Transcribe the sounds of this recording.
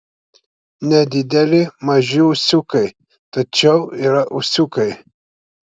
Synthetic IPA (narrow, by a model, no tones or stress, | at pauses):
nʲɛd̪ʲid̪ʲɛlʲɪmɐʒiusʲukɐj | t̪ɐt͡ʃɛwiɾɐʔusʲukɐj